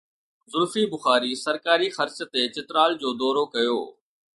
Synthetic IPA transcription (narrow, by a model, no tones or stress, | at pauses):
zʊɾfiːbʊxaːɾiːsɐɾkaːɾixɐɾt͡ɕt̪et͡ɕɪt̪ɾaːld͡ʑoːd̪ɔːɾokɐjo̰ː